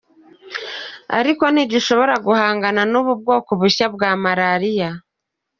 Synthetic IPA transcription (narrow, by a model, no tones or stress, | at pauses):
a̰ɾiko̞niɟiʃo̞βo̞ɾaɡuhaːŋɡananuβub̚ɡo̞ːkuβuɕabɡaːmaɾaɾija